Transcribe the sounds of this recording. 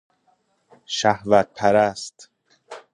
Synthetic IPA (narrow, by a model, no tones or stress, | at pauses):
ʃæhvæt̪̚pʰæɾæst̪